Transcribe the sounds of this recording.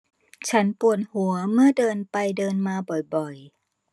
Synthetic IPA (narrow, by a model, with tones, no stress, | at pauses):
t͡ɕʰa˦˥npu˨˩ət̪̚hu˩˦ɐmɯ˥˩ədɤː˧npa˧jdɤː˧nmaː˧bɔ˨˩jbɔ˨˩j